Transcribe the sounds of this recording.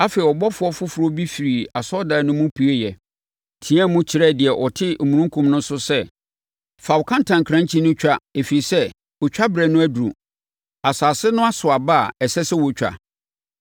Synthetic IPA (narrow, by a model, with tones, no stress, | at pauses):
a˦fe˨i˨ɔ˨bɔ˦fʊ˨˦ɔ˦fʊ˦fʊ˨˦ɾɔ˦bi˦fi˨ɾi˨a˨sɔ˦da˨˦nʊ̃˦mʊ̃˦pʰi˨˦e˦jɛ˨ | tʰĩ˨˦ã˦mʊ̃˦t͡ɕʰɪ˨ɾɛ˦˨dɪ˨ɛ˨ʔɔ˨tʰɪ˦˨mũ˨nũ˦ŋ˦kʰũ˨˦mnʊ̃˦n˦sʊ˦sɛ˦ | fa˨wʊ˨kʰã˦ntʰã˨ŋ˨kʰɾã˦ɲt͡ɕʰĩ˦nʊ̃˦t͡ɕᶣa˦e˨fi˨i˨sɛ˦ | ɔ˨t͡ɕᶣa˦bɾɛ˨nʊ̃˦æ˦du˨ɾṵ̃˨ | a˨saː˨sɪ˦nʊ̃˦a˦sʊ˨a˨ba˦a˨ɛ˨sɛ˦sɛ˦wɔ˨t͡ɕᶣa̰˨